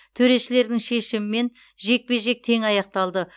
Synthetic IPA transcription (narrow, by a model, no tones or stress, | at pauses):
t̪ʰɵɾe̞ʃɪle̞ɾd̪ɪŋʃe̞ʃɪmɪme̞n | ʒe̞k̚pe̞ʒe̞k̚t̪ʰe̞ŋɑjɑq̚t̪ɑlˠd̪ə